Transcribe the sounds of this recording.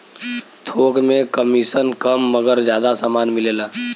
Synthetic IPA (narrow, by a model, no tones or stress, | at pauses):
t̪ʰoːkmẽkəmisənkəmːəɡəɾd͡ʒjaːd̪asaːmaːnmɪleːlaː